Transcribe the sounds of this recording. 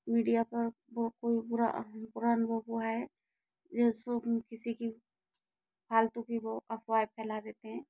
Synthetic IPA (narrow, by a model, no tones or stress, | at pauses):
miɖijapɐɾ | bokoːibʊɾa̰pʊɾanbobuaɛ | d͡ʒesokɪsiki | pʰaːlt̪ukiboʔɐpʰwaːjpʰɛːlad̪eːt̪eɦɛ̃ː